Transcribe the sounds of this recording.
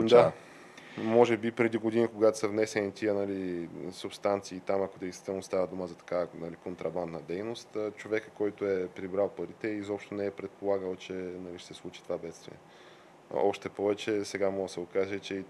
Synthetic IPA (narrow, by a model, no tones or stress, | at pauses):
d̪a | mɔʒɛbipɾɛd̪iɡod̪inikoɡat̪o̥səvnɛsɛnit̪iənɐlisupst̪ant̪siːt̪amɐkod̪ɛjst̪vit̪ɛlˠnost̪avəd̪uməzɐt̪ɐ̥kanalikont̪ɾɐband̪nəd̪ɛjnost̪ːt͡ʃovɛkəkɔjt̪oɛpɾibɾalˠpɐɾit̪ɛizɔpʃt̪onɛɛpɾɛt̪̚polˠaɡəlˠt͡ʃɛnɐliʃsɛslˠut͡ʃi̥t̪ovabɛt̪st̪vḭɛ̰ | ɔʃt̪ɛpɔvɛt͡ʃɛsɛɡamɔɡəsəokaʒɛt͡ʃɛi